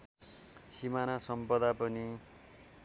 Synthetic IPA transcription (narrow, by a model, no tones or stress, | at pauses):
simanasʌmpʌd̪apʌni